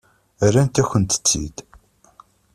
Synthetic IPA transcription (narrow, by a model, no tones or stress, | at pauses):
ærːænt̪æçʷənt̪ə̥t͡sːḭd̪